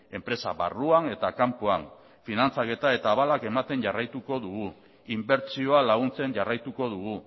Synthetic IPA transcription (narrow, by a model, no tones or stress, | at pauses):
e̞mpɾe̞saβa̰ruane̞t̪akampoan | finant͡sake̞t̪ae̞t̪aːβalake̞mat̪e̞nʝarajt̪uko̞ðuɣu | imbe̞ɾt͡sio̞alaɣ̞unt͡se̞nʝarajt̪uko̞ðuɣu